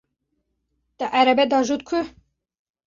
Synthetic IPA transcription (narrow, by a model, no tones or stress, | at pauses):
t̪ɛʔæɾɛbɛd̪ɑʒut̪̚kʰu